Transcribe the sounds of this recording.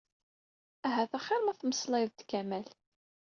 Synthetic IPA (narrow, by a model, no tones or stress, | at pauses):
æɦæθæχːɪɾmæθməslɪðt̪kæmæl